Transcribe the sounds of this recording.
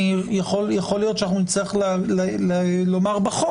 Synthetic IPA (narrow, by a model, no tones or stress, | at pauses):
ijaχoljaχolijo̞t̪ʃanaχnunit͡slijaχlllelomaʁbaχo